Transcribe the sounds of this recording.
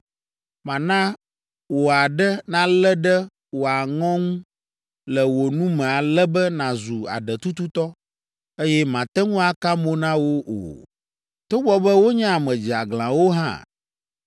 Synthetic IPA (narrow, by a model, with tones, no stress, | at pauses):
mã˨nã˦ | wo˨a˨ɖɛ˦nã˨lɛ˦ɖɛ˦ | wo˨a˨ŋɔ̃˦ŋũ˦ | lɛ˨wo˨nũ˦mɛ̃˨a˨lɛ˦bɛ˦nã˨zu˨a̰˨ɖɛ˨t̪u˦t̪u˦t̪ɔ˦ | e˦jɛ˦mã˨t̪ɛ˦ŋũ˦a˨ka˦mo˦nã˦wo˦ʔo̰˨ | t̪o˦bɔ˦bɛ˦wo˦ɲã˦a˨mɛ̃˨d͡ʒi˨a˨ɡlã̰˨wo˦ɦã̰˦